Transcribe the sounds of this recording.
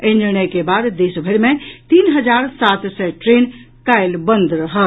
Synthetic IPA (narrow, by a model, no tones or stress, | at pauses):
ẽnd͡ʒənekebaːd̪d̪eːsbʱəɾmẽt̪iːnɦəd͡ʒaːɾsaːt̪sɛʈɾeːn | kaːɪlbənd̪ɾəɦə